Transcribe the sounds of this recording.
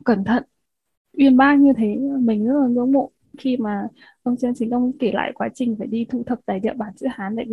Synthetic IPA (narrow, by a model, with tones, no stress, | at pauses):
kə˧˩nt̪ʰə̰˧˨nʔ | ʔwi˧ənɓaː˧ɲɨ˧t̪ʰe˨˦˨mï˨˩ŋ̟zt̚laː˨˩ŋɨ̰˧˥əŋmo̰˧˨ | xi˧maː˨˩ | ʔə˧wŋ͡mt͡ɕi˧nt͡ɕi˨˦ŋ̟ʔə˧wŋ͡mke˧˩la̰ː˧˨jkwaː˨˦t͡ɕï˨˩ŋ̟faː˧˩jɗi˧t̪ʰṵ˧˩t̪ʰə˨˩k̚t̪aː˨˩jɗḭ˧˨əɓaː˧˩nsɨ̰˧˥haː˨˦nɗa̰ː˧˩˧